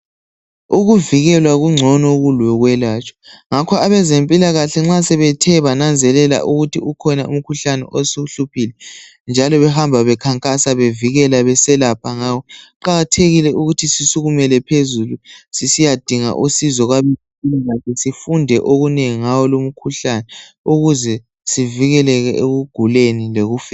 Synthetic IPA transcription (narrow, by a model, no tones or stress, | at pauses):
uɣuviɣɛlwaɣuŋ͡ǀʱɔnɔɣulwɛɣwɛlaːt͡ʃʼɔ̥ŋakʰɔaβɛzempʼilaɣaɬɛŋ͡ǁasɛβɛtʰɛβanand͡zʱɛlɛla̰ʔuɣutʰiukʰɔnaum̩kʰuɬanɛ̰ʔosuɬupʰilɛ | nd͡ʒʱalɔβɛhambʱaβɛkʰaŋkʼasaβeviɣɛlaβɛsɛlapʰaŋaːwɔǃaɣatʰeɣilɛʔuɣutʰisisuɣumɛlɛpʰezulusisijad̥ʱiŋa̰ʔusizɔɣwaβɛ | pʼilaɣaɬɛsifundʱɛʔoɣuneŋiŋawɔlom̩kʰuɬanɛ | uɣuzɛ | siviɣɛlɛɣɛʔeɣuɡ̥ʱulenileɣufɛ